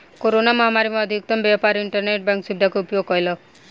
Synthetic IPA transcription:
koɾonamɔɦamaɾimãːd̪ʱik̚t̪əmbjapaɾɪɳʈəɾneʈ̚bɛ̃ŋkʃib̚d̪ʱakoupjoɡ̚kɔjlɔ

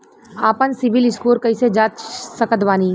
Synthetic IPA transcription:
aːpənsɪʋɪlɪskuːɾkɐised͡ʒaːt̪səkət̪ʋaːniː

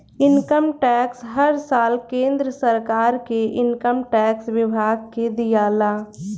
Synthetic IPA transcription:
ɪnkəmʈɛːksɦəɾsaːlkẽːnd̪ɾəsəɾkaːɾkeʔɪnkəmʈɛːkswɪbʱaːɡ̚ked̪ɪjaːlaː

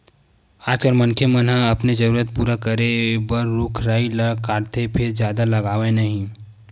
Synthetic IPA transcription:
aːd͡ʒkəɾmɐ̃nkʰemɐnɦãɐpned͡ʒɐɾuːɾət̪̚puːɾakəɾebəɾːʊkʰɾaːilkaːɾt̪ʰepʰɪɾd͡ʒjaːd̪alɐɡaːʋẽnɐɦĩ

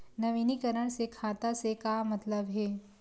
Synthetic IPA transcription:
nɐʋiːnikɐɾəɽ̃sekʰaːt̪asekamɐt̪ləbɦɛː

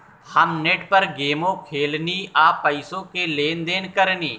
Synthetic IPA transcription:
həmneʈpəɾɡeːmõːkʰeːlniːaːpəɪsõːkeːleːnd̪eːnkəɾniː

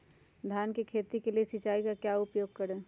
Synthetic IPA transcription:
d̪ʱjaːnkikʰeːt̪ikeliesɪt͡ʃaːikakjaːʊpjoːɡ̚kɐɾẽː

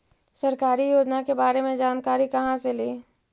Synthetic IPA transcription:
sɐɾkaːɾijoːd͡ʒnakebaːɾemẽd͡ʒaːnkaːɾikɐɦãseleː

